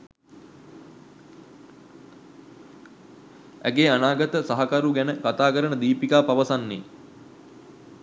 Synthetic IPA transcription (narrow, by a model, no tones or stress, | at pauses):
æ̰ɡeːanaːɡət̪əsaɦakaɾuɡænəkat̪aːkəɾənəd̪iːpikaːpaʋəsanːeː